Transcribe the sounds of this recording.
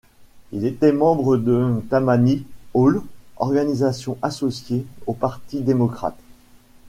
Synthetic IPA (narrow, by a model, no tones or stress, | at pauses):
ilet̪ɛmɑ̃bʁəd̪ət̪amaniolɔ̰ʁɡanizasjɔ̃ʔasɔsjeopaʁt̪id̪emɔkχa̰t̪